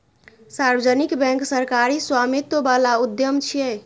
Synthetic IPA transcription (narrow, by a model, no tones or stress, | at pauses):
saɾbəd͡ʒənikbɛ̃ŋksəɾkaɾiswamit̪əbalaud̪jəmt͡ʃʰijɛ